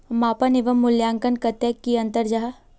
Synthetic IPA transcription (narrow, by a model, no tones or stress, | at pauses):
maːpɐnɪʋɐmːʊljaːŋkənkɐt̪ekːiɐ̃nt̪əɾd͡ʒaɦa